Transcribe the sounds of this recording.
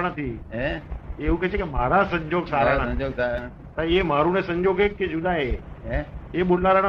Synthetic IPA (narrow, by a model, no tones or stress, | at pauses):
ɽ̃ət̪ʰieeɦukeekem̤aːɾasə̃ɲd͡ʑoːɡsaːɾaɽ̃əd͡ʒoɡsa | t̪aemaːɾunẽsə̃ɲd͡ʒoːɡekːed͡ʒʊd̪aɦe | eɓolaːɾəɽ̃